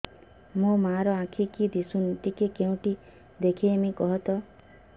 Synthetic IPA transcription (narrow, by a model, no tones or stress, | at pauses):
mũmaɾɔãkʰikid̪isunut̪ikekeũʈi | d̪ekʰiemikɔɦɔt̪ɔ